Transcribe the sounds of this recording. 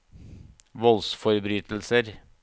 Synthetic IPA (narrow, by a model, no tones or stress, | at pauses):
ʋɔlsfɔɾbɾyːt̪l̩səɾ